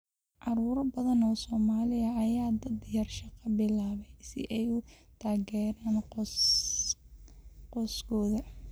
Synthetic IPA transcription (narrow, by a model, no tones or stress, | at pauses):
ʕɑɾuːɾɐbɐðɐnɔːsɔːmaːlɪɐɐjaːd̪ɐd̪jɐrʃɑqɐbɪlaːβɛjsɪ̰ʔɛjʊ | t̪ʰaːɣɛːɾaːnqː | qɔːskʰɔːðɐ